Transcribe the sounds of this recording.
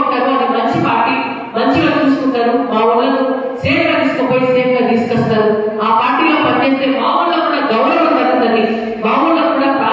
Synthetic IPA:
uɳʈːɐːɾuɐd̪imɐɲt͡ʃipaːɾʈiː | mɐɲt͡ʃilo̞ːt͡ʃ̪uːsukuɳʈaːɾubaːʋunːɐnu | seːɾɐɡɐd̪iːsu̥kopoːjisekɡad̪iːsu̥kɔst̪aːɾuaːpaːɾʈiːloːpɐɾket̪ebaːʋunloːkuːɽaːɡɐwɾɐʋɐnd͡ʒ̪ɐɽund̪ɐni | baːʋulloːkuːɽaːka

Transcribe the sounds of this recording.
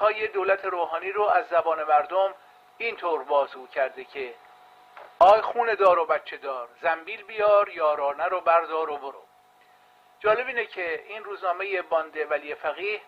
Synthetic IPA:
hɒːje̞d̪oːlæt̪ʰe̞ɾoːɦɒːniːɾoæzːæbɒːne̞mæɾd̪om | iːnt̪ʰoːɾbɒːzuːcʰæɾd̪ecʰe | ɒːjxuːne̞d̪ɒːɾobæt̪t͡ʃʰːe̞d̪ɒːɾzæmbiːlbijɒːɾjɒːɾɒːnæɾobæɾd̪ɒːɾoboɾo̰ | d͡ʒɒːle̞biːnecʰe̞iːnruːznɒːme̞je̞bɒːnd̪e̞væliːjefæɣiːh

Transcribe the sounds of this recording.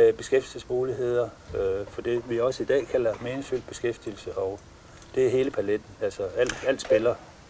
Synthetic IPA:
b̥e̝sɡ̥efd̥i̥sesmuːliɦe̝ð̞̰ˠɐfɒ̽d̥eʋiɒ̽səid̥ɛ̰ːkʰælɐme̝ːneŋsfyld̚b̥e̝sɡ̥efd̥il̩səʔɒ̽ʊ | d̥e̝æɦe̝ːləpʰæled̥n̩ælsɒæl̰d̥æl̰d̥sb̥elɐ

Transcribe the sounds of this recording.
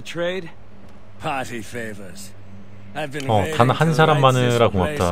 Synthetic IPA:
tʰɹ̥eɪd | pʰɑˑɾifeɪvə˞z̥ | avb̃ʌtanhansʰaɾamːanɯɾakoŋap̚t͈a

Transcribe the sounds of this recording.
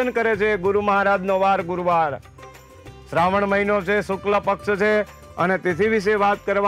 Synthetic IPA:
ənkəɾet͡ʃʰeɡʊɾuməɦaɾad͡ʒ̪noʋaɾɡʊɾuʋaɾ | sɾaʋəɳməɦinot͡ʃʰesʊkləpəkʃt͡ʃʰe | ə̰net̪et̪ʰiʋiʃ̬eʋat̪kəɾʋa

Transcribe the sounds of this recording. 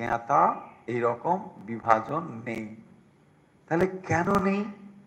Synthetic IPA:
eat̪aejɾɔkombibʱad͡ʑonːej | t̪aɦelekɛnonej

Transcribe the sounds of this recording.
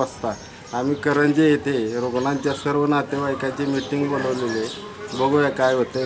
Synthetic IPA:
əst̪a | amiːkəɾənt͡ɕejet̪ʰeɾoɡɳãnt͡ɕjasəɾʋənat̪eʋajkat͡ɕemiʈiŋɡboləʋlele | bəɡoʋjakajɦot̪e

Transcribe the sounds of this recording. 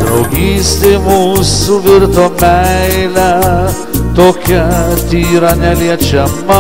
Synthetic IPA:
d̪ɾɐʊɡʲiːsʲt̪ʲeɪmuːsuʋʲɪɾt̪oːmʲɛɪɪlʲæ | t̪oːkʲɛt̪ʲiːɾɐnʲɛlʲiɛt͡ʃʲɛmɐ

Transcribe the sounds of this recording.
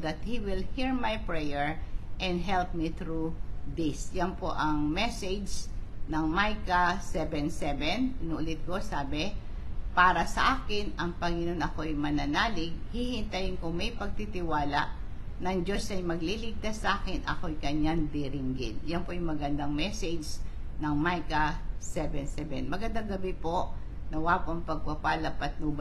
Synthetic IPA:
d̪ɐt̪̚hiwɪlhiɹmajpɹɛjɛɹʔɛ̃nd̪ɦɛlp̚miθɾud̪ɪsjɐnpo̞ʔɐŋmɛsɛd͡ʒnɐŋmajkɐsɛvɛnsɛvɛnnʊʔʊlɪt̪̚ko̞saːbɛ | paːɾɐsɐʔaːkɪnɐŋpɐŋɪno̞nɐko̞ɐjmɐnɐnaːlɪɡ̚hihɪnt̪ɐjɪnkʊŋmɛjpɐɡ̚t̪it̪ɪwaːlɐʔnɐŋd͡ʒo̞sɐjmɐɡlilɪɡ̚t̪asːɐʔaːkɪnʔɐ̰ko̞ɐjkɐɲːaŋd̪iɾɪŋɡɪnjɐnpoʔjɪŋmɐɡɐnd̪aŋmɛsɛd͡ʒ | nɐŋmajkɐsɛvɛnsɛvɛ̰nmɐɡɐnd̪aŋɡɐbipo̞ʔ | nɐwaːpoɐŋpɐɡ̚pɐpalɐpɐt̪̚nʊb

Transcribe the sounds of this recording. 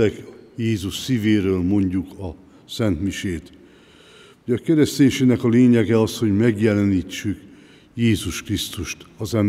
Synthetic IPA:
ɛkjeːzuʃsiːveːɾøːlmo̞ɲɟukɒ | sɛnt̪miʃeːt̪ | hoɟɒkɛɾɛst̪eːɲʃenɛkɒleːɲɛɡɛɒsho̞ɟmɛɡjɛlɛniːt͡ʃːyk | jeːzuʃkrist̪uʃt̪ɒzɛm

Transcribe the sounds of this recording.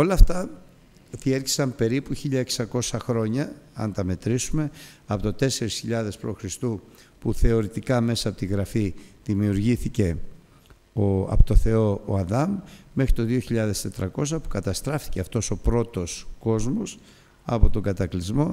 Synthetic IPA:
o̞lɐft̪ɐ | ðieɾçi̥sɐmpe̞ɾipuçiʎɐeksɐko̞sɐxɾo̞ɲɐɐ̰nt̪ɐme̞t̪ɾisume̞ɐpot̪ot̪e̞se̞ɾisçiʎɐðe̞spɾo̞xɾist̪upuθe̞o̞ɾit̪ikɐme̞sɐpo̞t̪iɣɾɐfiðimiuɾʝiθice̞ | oɐ̰pot̪o̞θe̞o̞o̰ɐðɐmːexɾit̪o̞ðio̞çiʎɐðe̞st̪e̞t̪ɾɐko̞s̬ɐpu̥kɐt̪ɐst̪ɾɐfi̥ceɐft̪o̞so̞pɾo̞t̪o̞sko̞zmo̞s | ɐ̰po̞t̪o̞ŋɡɐt̪ɐklizmo̞

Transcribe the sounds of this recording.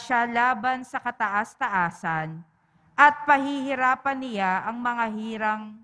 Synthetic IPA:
ʃalaːbɐnsɐkɐt̪ɐʔast̪ɐʔaːsɐn | ʔɐt̪̚pɐhihɪɾaːpɐnɪjaʔɐŋmɐŋaɦiːɾɐŋ

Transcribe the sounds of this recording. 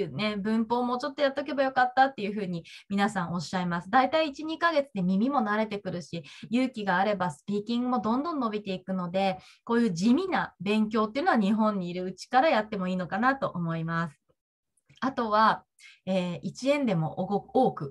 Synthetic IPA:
ne̞bɯ̟̃mpo̞ːmot͡ɕo̞t̪ːo̞jat̪ːeok̬e̞bajo̞kat̪ːat̪ːe̞jɯ̟ɸɯ̟ːɲ̟imʲinasão̞ɕːaimasɨd̪ait̪aiːt͡ɕiɲ̟ikaɡe̞t͡sɨd̪e̞mʲimʲimo̞naɾe̞t̪e̞kɯ̟ɾɯ̟ɕijɯːkʲiɡaːɾe̞basɨ̥pʲiːkʲĩŋɡɯ̟mo̞d̪õ̞nd̪õ̞nːo̞bʲit̪e̞ikɯ̟no̞d̪e̞ko̞ːjɯ̟ːd͡ʑimʲinabẽ̞ŋkʲo̞ːt̪̬ːeɯ̟noaɲ̟iɦõ̞ɲ̟ːiːɾɯ̟ɯ̟t͡ɕi̥kaɾajat̪ːe̞mo̞iːno̞kanat̪o̞ʔomo̞imasɨ̥ | at̪o̞βa | eːit͡ɕiẽ̞nd̪e̞mo̞̰ʔɡooːkɯ̟

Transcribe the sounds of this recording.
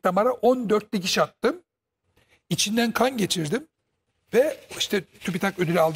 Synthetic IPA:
t̪amaɾaʔond̪øɾt̪ːɛc̬iʃat̪ːɯm | it͡ʃʰind̪ænkʰanɟe̞t͡ʃʰiɾd̪im | vɛiʃt̪ʰɛt̪ʰypit̪ʰakød̪ylʲalˠd̪

